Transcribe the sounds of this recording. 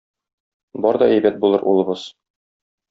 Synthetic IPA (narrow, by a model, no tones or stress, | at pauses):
bɒɾd̪ɒæjbæt̪̚bulˠɤɾʔṵlˠɤ̆bɤz̥